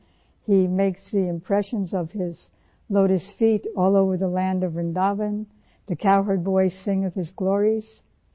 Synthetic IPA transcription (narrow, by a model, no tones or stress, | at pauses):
himeɪksðiɨ̃mpʰɹ̥ɛʃɨ̃nzʌv̥ɪz̥ | loʊɾɨstfiɾɔlˠoʊvə˞ðəlæ̃ndʌvːɨ̃ndɑvɨ̃n | ðɨkʰaʊɦə˞d̚bɔɪsɪ̃ŋʌv̥ɨzɡlɔɹiz̥